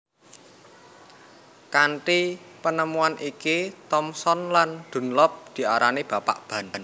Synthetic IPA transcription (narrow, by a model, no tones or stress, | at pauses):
kaɳʈi | pənəmuanʔikit̪ɔmsɔnland̪̥ṳnlɔp̚d̪̥i̤aɾanib̥a̤pa̰ʔb̥ä̤nan